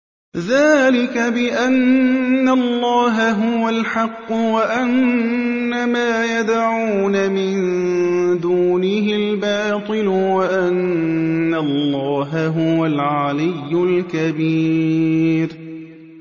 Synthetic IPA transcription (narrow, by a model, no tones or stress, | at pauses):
ðaːlɪkabɪʔanːalˤːɑːɦaɦʊwalħɑqːʊwaʔanː | amaːjad̪ʕuːnamɪnn | d̪uːnɪɦɪlbɑːt̪ˤɨlʊwaʔanː | alːɑːɦaɦʊwalʕalɪjːʊlkabiː | ɾ